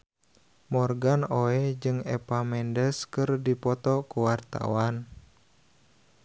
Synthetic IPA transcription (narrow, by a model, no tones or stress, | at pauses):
mɔrɡanoɛd͡ʒɨŋɛ̰pamɛndəskɨrdipɔt̪ɔkuwart̪a̰wan